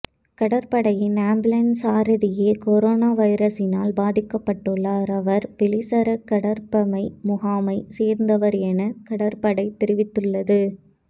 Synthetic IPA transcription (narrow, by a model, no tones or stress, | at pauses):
kɐɽɐɾpɐɽɐjɪnaːmblɐnsaːɾɯðɪjeːkɔɾoːnaːʋɐɪɾɐsɪnaːlbaːðɪkːɐpːɐʈːɯɭːaːɾɐʋɐɾpɪlɪsɐɾɐkɐɽɐɾpɐmɐɪmʊɣaːmɐɪseːɾnd̪ɐʋɐɾɛnɐkɐɽɐɾpɐɽɐɪt̪ɪɾɪʋɪt̪ːɯɭːɐðɯ